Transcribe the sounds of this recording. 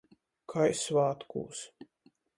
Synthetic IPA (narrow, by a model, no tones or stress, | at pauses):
kʰajsvaːt̪kṵːs